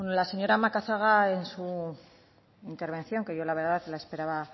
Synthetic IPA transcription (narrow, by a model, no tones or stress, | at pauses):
enolase̞ɲo̞ɾamakaθaɣ̞ae̞nsu | int̪eɾβ̞e̞n̟θjo̞ŋke̞ʝo̞laβeɾðaðlaespe̞ɾaβa